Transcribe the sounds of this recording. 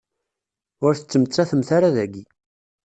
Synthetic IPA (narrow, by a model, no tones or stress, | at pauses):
ʊɾθə̥t͡sːəmət͡sːaθəmθaɾaðæɡi